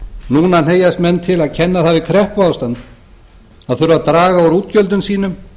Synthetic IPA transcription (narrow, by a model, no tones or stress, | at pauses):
nuːnan̥eːjast̪mɛnːt̪ʰɪlaðcʰɛnːaθaðvɪkʰɾɛhpaːwst̪ant̪ | aðθʏɾvaðt̪ɾaːɣaɔɾuːt̪cœlt̪ʏnsiːnʏm